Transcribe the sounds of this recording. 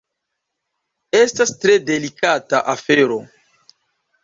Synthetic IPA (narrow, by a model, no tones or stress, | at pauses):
estastɾe̞de̞likata̰ʔafeɾo̞